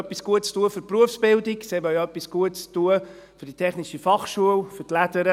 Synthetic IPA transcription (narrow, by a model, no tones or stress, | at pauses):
œpːisɡ̥uətstuəfʏɾpɾuəfsb̥ɪldɪksiɛbəjœpːisɡ̥uətt͡st̪uəfʏɾd̥itʰɛχnɪʃifɑχʃuəlfʏtlædəɾə